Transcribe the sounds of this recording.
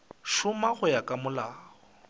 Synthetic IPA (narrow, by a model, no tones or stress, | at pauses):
ʃʊmaχʊjakʼamʊlaːɣɔ